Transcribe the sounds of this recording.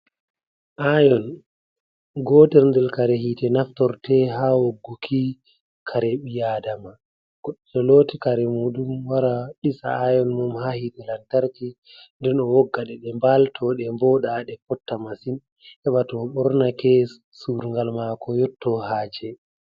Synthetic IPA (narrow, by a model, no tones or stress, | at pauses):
ʔajɔn | ɡɔːtɛɾndɛlkaɾɛhiːtɛnaftɔɾtɛhawoɡːukʰi | kʰaɾɛɓijadama | ɡ̥ɔɗːɛtɔloːtikaɾɛmudumwaɾaɗisa̰ajɔnmumhahitɛlantaɾki | ndɛnɔwɔɡːaɗɛɗɛmbaltʰɔɗɛmbɔɗaɗɛkɔtːamasin | ɛɓatɔɓɔɾnakɛ | suɾŋɡalmakɔjɔtːɔhaːd͡ʒɛ